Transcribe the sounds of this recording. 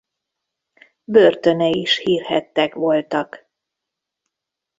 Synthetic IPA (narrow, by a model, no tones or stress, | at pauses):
børt̪ø̞nɛiʃhiːrhɛt̪ːɛkʋo̞lt̪ɒk